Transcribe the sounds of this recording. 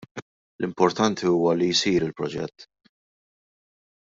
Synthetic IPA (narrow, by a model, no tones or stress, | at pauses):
lʔɪmpɔɾt̪ɐnt̪ʰiuːwɐlijsiːɾɪlpɾɔd͡ʒɛ̰t̪ː